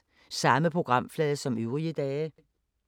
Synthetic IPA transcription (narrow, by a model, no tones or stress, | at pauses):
sɑ̈məpʰʁoɡ̥ʁɑ̈m̰flɛːðˠəsɒ̽møʊʁiəd̥ɛːə